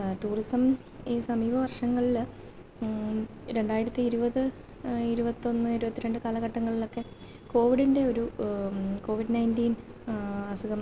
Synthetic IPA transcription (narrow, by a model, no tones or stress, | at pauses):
ʈuːrisɐm | isɐmiːbɐʋɐrʂɐŋːɐɭil | ɾe̞ɳɖaːjiɾɐt̪ːiːɾubɐðɨ | iɾubɐt̪ːo̞nːɨiɾubɐt̪ːiɾe̞ɳɖɨkaːlɐɣɐʈːɐŋːɐɭilo̞kːe̞ | ko̞ːʋiɽinde̞o̞ɾu | ko̞ːʋiɖnɐjndiːn | ɐsuɣɐm